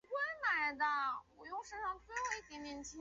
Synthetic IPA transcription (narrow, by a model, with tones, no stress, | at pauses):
kwə˥nla˨˥ɪd̪ə˧wɔ˨˩jʊ˥˧ŋʂə˥nʂɑ˥˩ŋt͡sɹ̩˥jo˥i˥t̪jɛ˧˥njɛ˧˥nt͡ɕʰi˥